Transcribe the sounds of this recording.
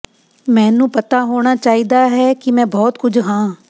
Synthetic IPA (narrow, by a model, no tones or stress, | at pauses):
mɛ̃ːnũːpət̪aːɦoːɽ̃aːt͡ʃaːiːd̪aːɦɛːkɪmɛ̃ːbɔːt̪kʊd͡ʒʱɦãː